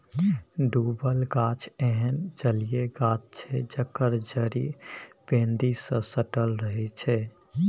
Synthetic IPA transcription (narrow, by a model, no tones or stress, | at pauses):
ɖubəlɡat͡ʃʰɛɦənd͡ʒəlijeɡat͡ʃt͡ʃʰɛd͡ʒəkəɾd͡ʒəɾib̥ẽnd̪isə̃səʈəlɾəɦɛt͡ʃʰɛ